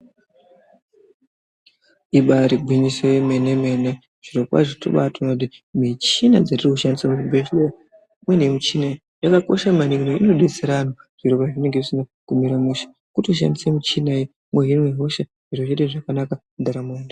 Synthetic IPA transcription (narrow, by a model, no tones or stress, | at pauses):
iɓaɾiɡʱwiɲisemeneme̞ne | ʐ̥iɾopa̰ʐito̰ɓatonot̬imit͡ʃinad͡zatirikuʃandisamuibeʃloa | mwenemut͡ʃinai | jakako̞̰ʃamaniɡimeino̞ɗet͡seɾanoʐ̥iɾopaʐine̞ŋɡeʐisinakumiɾamuʃḁ | kutiuʃ̬a̰ndisemut͡ʃinai | mweɦinweɦo̞ʃa | ʐirot͡ʃeteʐakanakamud̪ʱaɾamonda